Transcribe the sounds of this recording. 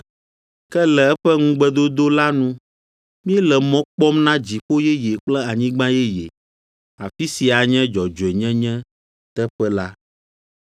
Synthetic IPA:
kɛ˦lɛ˨ɛ˦ɸɛ˦ŋũ˦ɡ͡bɛ˦d̪o˦d̪o˦la˦nũ˦ | mĩ˦ɛ˦lɛ˨mɔ̃˦k͡pɔ˦mnã˦d͡ʑi˨ɸo˦jɛ˦je˨k͡plɛ˦a˨ɲĩ˦ɡ͡bã˦jɛ˦je˨ | a˨fi˦si˨a˨ɲɛ̃˦d͡ʒɔ˨d͡ʒo˨ɛ˨ɲɛ̃˦ɲɛ̃˦ | t̪ɛ˦ɸɛ˦la˦

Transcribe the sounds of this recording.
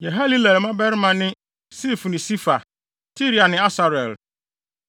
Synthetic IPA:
jɛ˨ɦa˦li˦lɛ˨lmã˦bɛ˦ɾmã˨nɪ̃˦ | si˦˨fu˨nɪ̃˨si˦fa˨ | si˦ɾi˨˦a˨nɪ̃˨a˦sa˨ɾɛ˨l

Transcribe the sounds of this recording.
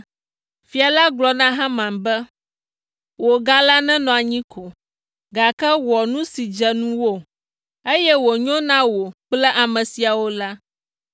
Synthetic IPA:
fi˨˦a˨la˦ɡlɔ˨nã˦ɦã˦mã˨mbɛ˦ | wo˨ɡa˦la˦nɛ̃˦nɔ̃˨a˨ɲĩ˦kʰo˨ | ɡa˨kɛ˦wɔ˨nũ˦si˨d͡ʒɛ˨nũ˦wo˦˨ | e˦jɛ˦wo˨ɲɔ̃˦nã˦wo˨k͡plɛ˦ʔa˨mɛ̃˨si˨a˨wo˦la˦

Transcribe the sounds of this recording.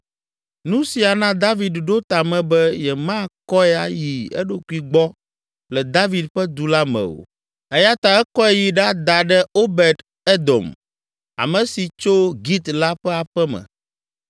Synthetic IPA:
nũ˦si˨a˨nã˦d̪a˦vi˨d̪ɖo˦t̪a˨mɛ̃˨bɛ˦jɛ˨mã˦kɔ˦ɛ˦a̰˨ji˨ɛ̰˦ɖo˦ku˦i˨ɡ͡bɔ˦ | lɛ˨d̪a˦vi˨d̪ɸɛ˦d̪u˨la˦mɛ̰̃˨o̰˨ | ɛ˦ja˦t̪a˨ɛ˦kɔ˦ɛ˦ji˨ɖa˦d̪a˨ɖɛ˦o˦bɛ˨d̪ | ɛ˦d̪ɔ̰˨m | a̰˨mɛ̃˨si˨t͡ʃo˦ɡi˦t̪la˦ɸɛ˦a˨ɸɛ˦mɛ̰̃˨

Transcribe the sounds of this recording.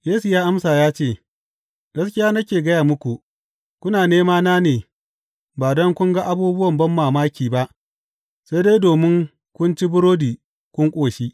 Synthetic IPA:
jeː˦su˨jaː˦ʔa˦msaː˨jaː˦t͡ʃeː˦˨ | ɡ̥ɐ˦skʲɪ˦jaː˦nɐ˦kʲeː˨ɡɐ˦jaː˨mʊ˦kʷu˨ | kʷʊ˦naː˨neː˦maː˦naː˦neː˨ | baː˨dɐ˦ŋkʷʊ˦ŋɡa˦ʔa˦buː˦bʊ˦wɐ˨mbɐ˦mːaː˨maː˦kʲiː˨ba˦ʔ | sa˦jdeː˦jdoː˨mɪ˦ŋ | kʷʊ˦nt͡ʃi˦bʊ˦ɾoː˦diː˨ | kʷʊ˦ŋkʷʼoː˨ʃi˦

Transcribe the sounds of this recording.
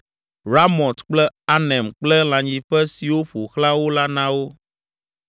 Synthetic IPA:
ɾa˦mɔ̃˨t̪k͡plɛ˦a˦nɛ̃˨mk͡plɛ˦l̃ã˨ɲĩ˨ɸɛ˦si˨wo˦ɸo˨xlã˦wo˦la˦nã˦wo˦

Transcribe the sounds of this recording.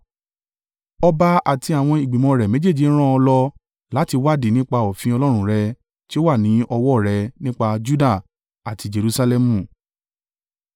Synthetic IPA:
ɔ˧ba˧a˨ti˧a˨w̃ɔ̃˧i˨ɡ͡bi˨mɔ̃˧ɾɛ˨me˨˦d͡ʒe˦˨d͡ʒi˨˦ɾ̃ã˦ɔ˧lɔ˧ | la˨˦ti˧wa˦˨di˦˨nĩ˦k͡pa˧o˨fĩ˧ɔ˧lɔ˦ɾ̃ũ˦ɾɛ˧ | ti˦o˦wa˦˨nĩ˨˦ɔ˧wɔ˦˨ɾɛ˧nĩ˦k͡pa˧d͡ʒu˦da˦˨ | a˨ti˧˦d͡ʒe˨ɾu˧sa˧lɛ˧mũ˨

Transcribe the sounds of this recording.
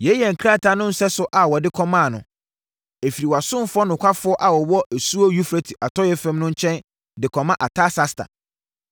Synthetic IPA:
jɛ˦jɛ˨ŋ̩˨kʰɾa˦˨tʰa˨nʊ̃˦n̩˦sɛ˦sʊ˦ʔa˨wɔ˨dɪ˦kʰɔ˦mãː˦˨nʊ̰̃˨ | e˨fi˨ɾi˨wɔ˨a˨sʊ̃˦m˦fʊ˦ɔ˦nʊ̃˨kʷʰa˦fʊ˨˦ɔ˦ʔa˨wɔ˨wɔ˦æ˨su˦o˦ju˦fɾe˦tʰi˨ʔa˨tʰɔ˦jɛ˦fɛ̃˦mnʊ̃˦ɲ̩˦t͡ɕʰɛ̃˦n | dɪ˨kʰɔ̃˨mã˦ʔa˨tʰa˦sa˦stʰa̰˨

